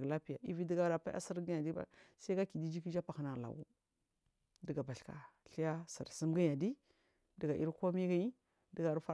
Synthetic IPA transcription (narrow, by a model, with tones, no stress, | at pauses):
ɡla˦pi˦ja̰˨i˦vi˦di˦ɡa˦ɾa˨pa̰˦a̰˦sə˦ɾɡa˦ja˨di˦ba̰˦sa˦i˦ɡa˦ki˨di˦d͡ʒi˦ki˦d͡ʒa˦pa˨xi˨na˨la̰˨wṵ˦ | də˦ɡa˨ba˨ɬka̰˨ɬi˦ja˦sa˨ɾsə˦mɡa˦ja˨di˦ | də˦ɡa˨ʔi˦ɾko˦mi˦ɡa˦i˦ | də˨˦ɡa˨ɾa˦fa˦